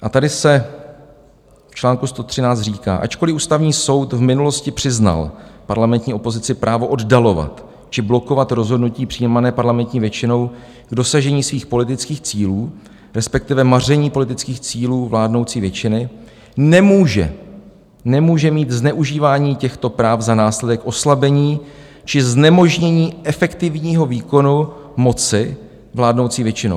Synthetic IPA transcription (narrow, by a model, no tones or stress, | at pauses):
ʔat̪adɪsɛ | ft͡ʃlaːŋkust̪o̞t̪r̥ɪnaːt͡st̪riːka̰ːʔa̰t͡ʃko̞lɪʔuːst̪avɲiːso̞wt̪vmɪnulo̞scɪpr̝̥ɪzna̰lpaɾlamɛnt̪ɲiːo̞po̞zɪt͡sɪpɾʔaːvo̞ʔo̞ddalo̞va̰t̪ | t͡ʃɪblo̞ko̞vat̪ɾo̞zɦodnuciːpr̝̥iːmanɛːpaɾlamɛnt̪ɲiːvjɛt͡ʃɪno̞w | ɡdo̞saʒɛɲiːsviːxpo̞lɪt̪ɪt͡skiːxt͡siːluː | ɾɛspɛk̚t̪ɪvɛmar̝ɛɲiːpo̞lɪt̪ɪt͡skiːxt͡siːluːvlaːdno̞wt͡siːvjɛt͡ʃɪnɪ | nɛmuːʒɛ̰ | nɛmuːʒɛmiːt̪znɛʔuʒiːvaːɲiːcɛxt̪o̞pɾaːvzanaːslɛdɛkʔo̞slabɛɲiː | t͡ʃɪznɛmo̞ʒɲɛɲiːʔɛfɛkt̪ɪvɲiːɦo̞viːko̞numo̞t͡sɪ | vlaːdno̞wt͡siːvjɛt͡ʃɪnoww